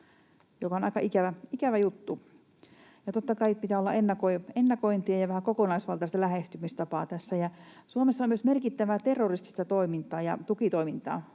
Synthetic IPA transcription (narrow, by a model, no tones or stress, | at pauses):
jokɑˑonɑikɑʔikæʋæikæʋæjut̪ːu | jɑt̪ot̪ːɑkɑipit̪æːolːɑ̰ʔenːɑkoienːɑkoint̪iɑjɑʋæhækokonɑisʋɑlt̪ɑˑst̪ɑlæhest̪ymist̪ɑpɑːt̪æsːæjɑsuomesːɑomyøsmerkit̪ːæʋæt̪erːorist̪i̥st̪ɑt̪oimint̪ɑːjɑt̪ukit̪oimint̪ɑ̰ː